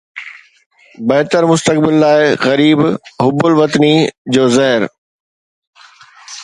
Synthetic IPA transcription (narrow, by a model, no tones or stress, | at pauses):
bɐɦt̪əɾmʊst̪ək̚bɪlːaːɪɣɐɾiːbɦʊbʊlʋɐt̪nid͡ʑoːzɐɦɪɾ